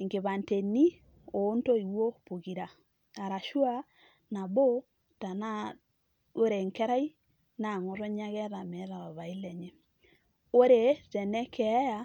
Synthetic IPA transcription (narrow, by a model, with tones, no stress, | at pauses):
ŋke˨βa˨nte˨ni˦ | o˨˦nto˦i˨wo˦po˨ɣi˨ɾa˨ | a˨ɾa˨ʃwa˦ | na˨bo˦ | ta˨na˦ | o˦ɾe˨ŋkɛ˦ɾa˦i˦ | na˨ŋo˨ɾo˦ɲa˦ɣɛ˦ɾa˨mɛ˨˦ɾa˨βa˨βa˨i˦lɛ˨ɲe˨ | o˦ɾe˨˦zɛ˨nɛ˦kʰɛ˨˦ja˦